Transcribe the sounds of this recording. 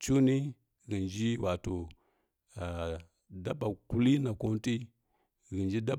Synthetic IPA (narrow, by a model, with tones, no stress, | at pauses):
t͡ʃu˦ni˦ | ɣi˨nd͡ʒi˦wa˨to˨ | a˨ | da˦ɓa˨ku˦li˦na˨ko˦n˦ti˦ | ɣi˨nd͡ʒi˦da˦